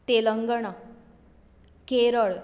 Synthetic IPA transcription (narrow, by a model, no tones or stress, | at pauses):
t̪eləŋɡəɳ̃ə | keɾəɭ